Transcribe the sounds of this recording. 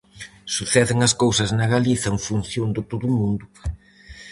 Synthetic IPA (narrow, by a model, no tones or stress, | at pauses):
suθɛðɪŋɐskowsɐznɐɣaliθɐeɱfunθjond̪ɪt̪oðʊmũnd̪ʊ